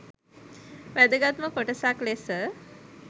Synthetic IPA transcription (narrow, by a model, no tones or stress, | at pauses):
ʋæd̪əɡat̪məkoʈəsaklesə